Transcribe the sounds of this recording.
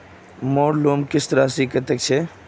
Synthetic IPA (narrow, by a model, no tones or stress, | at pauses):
moːɾloːmkɪst̪əɾaːsikət̪ek̚t͡ʃʰe